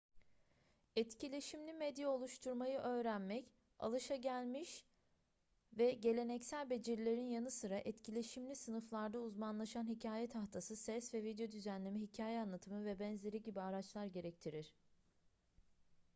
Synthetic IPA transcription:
ɛt̪cilʲe̞ʃimlʲimɛd̪jɛo̞lˠuʃt̪ʰuɾmajɯʔø̞ːɾænmɛc | a̰lˠɯʃaɟælʲmiʃ | vɛɟe̞lʲe̞nɛcsælʲbe̞d͡ʒiɾlʲe̞ɾinjanɯsɯɾaʔɛt̪cʰilʲe̞ʃimlʲisɯnɯflˠaɾd̪auzmanlˠaʃanhicʰaːjɛt̪ʰaxt̪ʰasɯsɛsvɛvid̪jo̞d̪yzænlʲemiɦicʰaːjɛanlˠat̪ʰɯmɯvɛbɛnze̞ɾiɟibiaɾat͡ʃlˠaɾɟe̞ɾɛc̚t̪ʰiɾiɾ̥

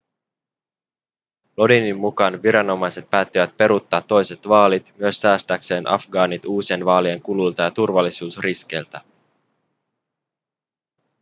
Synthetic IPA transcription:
lo̞dinimːukɑnʋiɾɑno̞mɑjse̞t̪̚pæːt̪ːiʋæt̪̚pe̞ɾut̪ːɑːt̪ːo̞jse̞t̪ʋɑːlit̪myø̞sːæːst̪ækse̞ːnʔɑ̰fɡɑːnit̪uːsienʋɑːlieŋkulujlt̪ɑjɑt̪urʋɑlːisuːsriske̞jlt̪æ

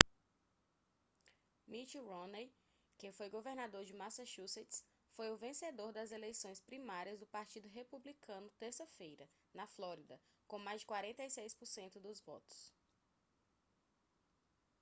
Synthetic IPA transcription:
mit͡ʃiɾõne | kẽfojɡoveɾnad̪oɾd͡ʒɪmasaʃuzet̪s | fojʊvẽsed̪oɾd̪ɐzelejsõj̃spɾimaɾiɐzd̪ʊpaɾt͡ʃid̪ʊɦepublikɐ̃nʊt̪eɾsɐfejɾɐ | nɐflɔɾid̪ɐkõmajzd͡ʒɪkwaɾẽnt̪ejsejspʊɾsẽnt̪ʊd̪ʊzvɔ̰t̪ʊ̥s

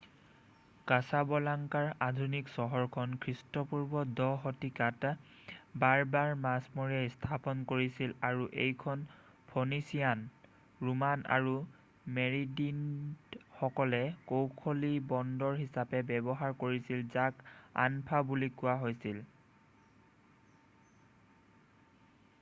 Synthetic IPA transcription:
kasabɔlaŋkaɹadʱuniksɔɦɔɹkʰɔnkʰɹistɔpuɹbɔdɔxotikat | baɹbaɹmasmoɹiɛstʰapɔnkoɹisilaɹuʔḛjkʰɔn | pʰonisijan | ɹumana̰ɹu | meɹidin | xɔkɔlɛkowkʰolibɔndɔɹɦisapɛbɛbɔɦaɹkoɹisilzaka̰npʰabulikʊwaɦojsil

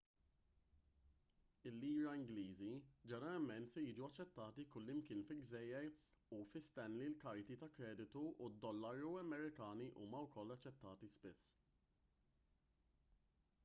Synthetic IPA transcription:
ɪlːiːɾɐɪŋɡliːzid͡ʒɛɾɐmɛnt̪sɛjiːd͡ʒuɐt͡ʃːɛt̪ːɐːt̪ikʊlːɪmkɪːnfɪlɡzɛjːɛɾ | ufɪst̪ɛnlilkɐɾt̪it̪ɐkɾɛːd̪ɪt̪uːd̪ːɔlːɐɾuɐmɛɾɪkɐːniʔṵːmɐwkɔlːɐt͡ʃːɛt̪ːɐːt̪ispɪsː

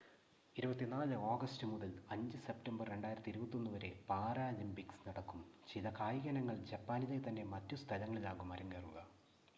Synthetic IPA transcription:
iɾubɐt̪ːinaːlɨo̞ːɡɐstɨmuðɐlɐɲd͡ʑɨse̞ptɐmbɐrːe̞ɳɖaːjiɾɐt̪ːiɾubɐt̪ːo̞nːuʋɐɾe̞paːɾaːlimpiksnɐɽɐkːumt͡ɕilɐkaːjiɣɐnɐŋːɐɭd͡ʑɐpːaːnilet̪ɐnːe̞mɐtːust̪ʰɐlɐŋːɐɭilaːɣumɐɾɐŋɡeːruɣɐ

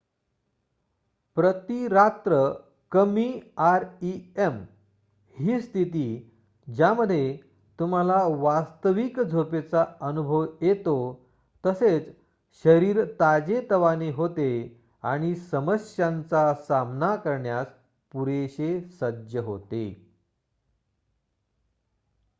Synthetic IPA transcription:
pɾət̪iɾat̪ɾə | kəmiaɾiem | hiːst̪ʰit̪̬iː | d͡ʑjaməd̪ʱːje | t̪um̤alaʋast̪əʋikd͡zʱopet͡saənubʱəʋjet̪o | t̪əset͡s | ɕəɾiːɾt̪ad͡ʑet̪əʋaneɦot̪e | aɽ̃isəməsjant͡sasamnakəɾɳjas | puɾeɕesəd͡ʑjəɦo̰t̪ḛ

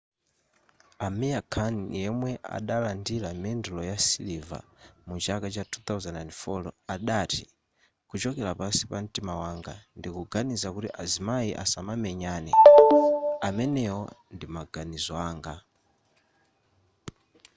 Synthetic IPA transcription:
amijakʰanjɛmwɛa̰ɗalandilamɛndulɔjasiliva̰mut͡ʃakat͡ʃatʰut̪awzɛnanfɔlɔ̰aɗati | kut͡ʃɔkɛlapasi̥pam̩timawaŋɡa̰ndikuɡanizakutiʔazimaiʔa̰samamɛɲaːnɛ | amɛnɛwɔndimaɡanizɔaːŋɡa

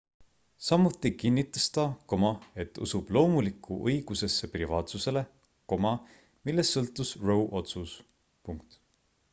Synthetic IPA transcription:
sɑmːut̪ːˑikinːit̪ːˑɑst̪ɑko̞mɑe̞t̪ːˑṵsub̥lo̞ːmulikʰˑːuʔɤjɡ̥use̞sːe̞privɑːt̪suse̞le̞ | ko̞mɑ | milːe̞sːɤlt̪ːˑusro̞wʔo̞t̪sus | puŋkt̪

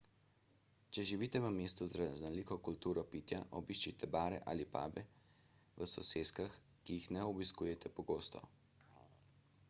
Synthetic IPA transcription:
t͡ʃɛʒiʋiːt̪ɛʋəmeːst̪uzɾaznɔliːkɔkult̪uːɾɔpiːt̪jaʔɔbiʃt͡ʃit̪ɛbaːɾɛ̰ʔa̰ːlipa̰ːbɛ | ʋəsɔseːskax | kijixnɛɔbiskuːjɛt̪ʰɛpɔɡoːst̪ɔ̰

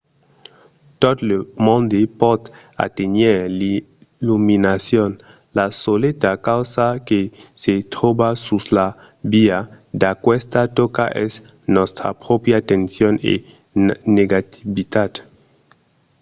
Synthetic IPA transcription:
t̪od̪lmõnd̪epɔd̪ | a̰t̪eneɾli | luminasjon | lasolet̪akawsakeset̪ɾobasusla | bia | d̪akwest̪at̪okaʔɛs | nɔst̪ɾa̰pɾɔpjat̪ensjonḛ | neɡat̪iβit̪ad̪

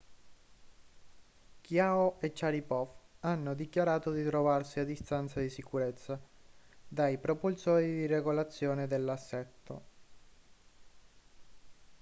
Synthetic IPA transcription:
kjaːoet͡ʃːaɾipɔfanːod̪ikjaɾaːt̪od̪it̪ɾovarsiad̪ːist̪ant̪sad̪isikuɾet̪sːa | d̪ajpɾopulsɔːɾid̪ireɡolat̪sːjɔːned̪elːasːɛt̪ːo̰

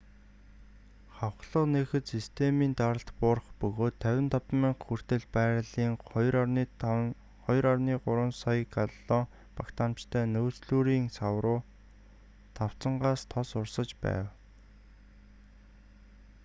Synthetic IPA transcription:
χawχɮə̆qnexɘ̆t̪sist̪ʰemiːnt̪aɾə̆ɬt̪pʊrχpɵɣoːt̪ʰːæwʲɪ̆nt̪ʰɔpmeɴxur̥t̪ɘ̆ɮpæːɾɮiːŋɔj | χɔjɾarniːɢʊɾwə̆nsɔjkaɮɔː | pakt̪aːmt͡ɕt̪ʰæːnoːt͡sɮuːɾiːŋsawɾʊː | t̪ʰaw̥t͡sə̆ɴɢaːst̪ʰɔsʊrsə̆t͡ɕpæ̰ːw

